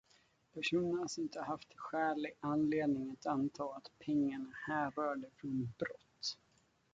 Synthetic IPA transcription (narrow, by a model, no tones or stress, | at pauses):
pʰæʂuːnəɳasɔmɪnt̪əɦaft̪ɧæːɭɪɡanleːd̪nɪŋat̪ant̪ʰɑːat̪pʰɛŋːaɳahæːɾœːɖəfɾɔnbɾɔt̪ː